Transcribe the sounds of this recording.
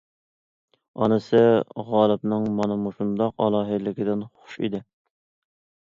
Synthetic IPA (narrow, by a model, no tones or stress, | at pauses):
ɑ̰nɨsɨʁɑːlˠɨpnɨŋmɑnɨmuʃund̪ɑqɑ̰lˠɑːɦɨlɪkʲʰɪd̪ɪnχʊ̥ʃḭd̪ɪ